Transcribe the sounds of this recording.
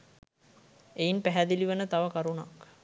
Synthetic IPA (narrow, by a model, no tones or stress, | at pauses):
einpæɦæd̪iliʋənət̪aʋəkaɾuna̰k